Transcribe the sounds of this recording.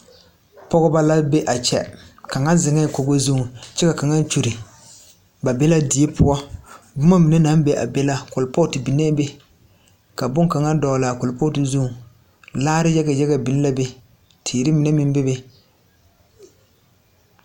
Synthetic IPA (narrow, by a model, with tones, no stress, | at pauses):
pɔ˦ɣʊ˦ba˦la˦be˦ʔa˨t͡ʃɛ̰˦ka˨ŋa˦zɪ˨ŋɛ˦˨ko˨ɡo˦zu˦˨t͡ʃɛ˦ka˨ka˨ŋa˦t͡ʃu˨ɾɪ˨ | ba˨bɛ˦la˦dɪ˨e˦pʰʊ˦ɔ˦ | bʊ˦ma˦mi˨nɛ˦na˨˦n˦be˦ʔa̰˨bɛ˦la˦kʊ˨lpɔ˦tɪ˨bi˨nɛ˦be˦ | ka˨bʊ˦ŋka˨ŋa˦dɔ˨la˨kʊ˨lpo˦tɪ˨zu˦ŋ˨ | laː˦ɾɪ˦jɛ˦ɡa˨jɛ˦ɣa˨bi˨n˦la˦be˦ | tʰiː˨ɾɪ˦mɪ˨nɛ˦mɪ˦m˦be˦be˦